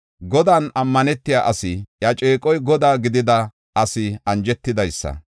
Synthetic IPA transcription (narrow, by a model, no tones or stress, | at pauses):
ɡɔd̪aːnɐmːɐnɛt̪ːɪjaːʔɐsɪjɐt͡ʃʼeːkʼɔjɡɔd̪aːɡɪd̪ɪd̪ɐ | ʔɐsɪɐnd͡ʒɛt̪ːɪd̪ɐjsːɐ̰